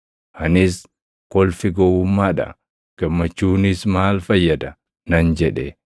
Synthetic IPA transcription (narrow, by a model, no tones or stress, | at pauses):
ʔɐnɪs | kɔlfɪɡɔwʊmːaːᶑɐ̰ | ɡ̥ɐmːɐt͡ʃːuːnɪsmaːlfɐjːɐd̪ɐ | nɐnd͡ʒɛᶑɛ